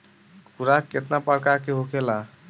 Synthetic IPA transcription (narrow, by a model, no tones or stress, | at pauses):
kʰuɾakːet̪napəɽkakeɦokela